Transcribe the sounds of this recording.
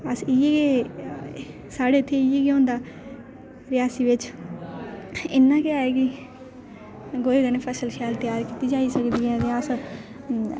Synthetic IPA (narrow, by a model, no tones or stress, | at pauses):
əsɪjeke | saːɽeːt̪ʰːeːɪjekeõːnd̪aː | ɾɪjaːsiːʋɪt͡ʃ | ɪnːãːkeaːeːki | ɡoːiɡənepʰɛːsəlʃɛːlt̪jaːɾkiːt̪iːd͡ʒaːiːsəkd̪iːɦɛ̃ːt̪ẽəs